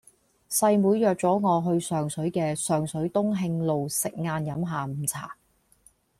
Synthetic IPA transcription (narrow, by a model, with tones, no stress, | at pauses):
sɐ˧jmuː˨˧jjœː˨k̚t͡sɔː˨˥ŋɔː˨˧ɦɵ˧ɥsœː˨ŋsɵ˨˥ɥkɛː˧sœː˨ŋsɵ˨˥ɥt̪ʊ˥ŋɦɪ˧ŋlo˨wsɪ˨k̚ŋaː˧njɐ˨˥mɦaː˨˩m̩˨˩t͡sʰa̰ː˨˩